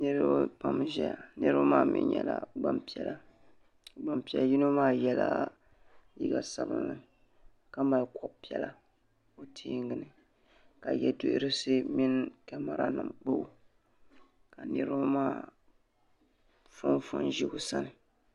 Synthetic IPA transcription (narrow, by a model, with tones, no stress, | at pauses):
nɨ˦ɾɨ˦pa˨mʒɛ˦a˨nɨ˦ɾɨ˦bmaː˦mɪ̰˨ɲɛ˨la˨ɡ͡ba˦mpi˦ɛ˨la˦˨ | ɡ͡ba˨mpi˨˦ɛ˦lji˦no˦maː˦˨jɛ˦la̰˦ | li˦ɡa˨sa˨lɨ̰˨nnɨ˨ | ka˦ma˨lkɔ˨bpi˦ɛ˦˨la˦ | o˦tʰiː˦ŋɡɨ˨nɨ˨ | ka˨jɛ˦do˦ʔɪ˦ɾɨ˦sɨ˦mɪ˦nkɛ˦ma˨ɾa˦nɨ˨mk͡po˦ʔ | ka˨nɨ˦ɾɨ˦bmaː˦ | fʊ˦nfʊ̰˦nʒi˦ɡʊ˦sa˦nɨ˨